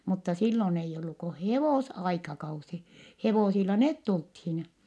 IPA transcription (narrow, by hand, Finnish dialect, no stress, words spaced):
mutːɑ silːon eijː olːu ko heʋoˑsɑikɑkɑusi heʋosilːɑ net tulthin